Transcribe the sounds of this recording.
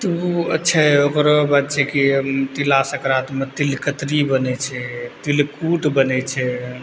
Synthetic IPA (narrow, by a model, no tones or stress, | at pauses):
t̪uətːʃʰaɦɛokɾɔbat̪̚t͡ʃʰɛkit̪ilasəkɾat̪met̪ilkət̪ɾibənɛt͡ʃʰɛt̪ilkuʈbənɛt͡ʃʰɛ